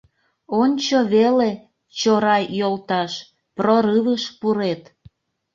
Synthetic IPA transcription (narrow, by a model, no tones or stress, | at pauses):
onʲt͡ɕoβele | t͡ɕoɾɑjolt̪ɑʃ | proɾɨβəʃpuɾet̪